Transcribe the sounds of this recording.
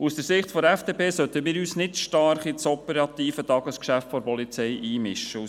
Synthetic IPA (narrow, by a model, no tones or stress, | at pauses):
usd̥əɾsɪχtfɔdɾɛfd̥eːpʰeːsœt̪əmɪːɾyːsnɪtʃtɑɾχit͡sɔpəɾɑt̪iːfətɑɡəskʃæftfɔɾpɔlit͡sɛjʔiːmɪʃəu